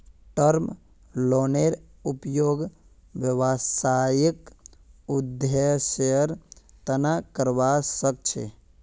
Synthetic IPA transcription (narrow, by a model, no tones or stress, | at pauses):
ʈəɾm | loːneɾupjoːɡ | ʋjəʋasajikud̪jeseəɾt̪ənakəɾʋasək̚t͡ʃʰḛ